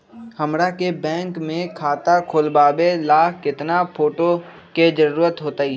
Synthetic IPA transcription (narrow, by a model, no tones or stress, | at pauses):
hɐmɾakebɛ̃ːŋkmẽkʰaːt̪akʰoːlbaːbelaːkʰkɪt̪napʰoːʈo | ked͡ʒəɾuːɾət̪ɦoːt̪aiː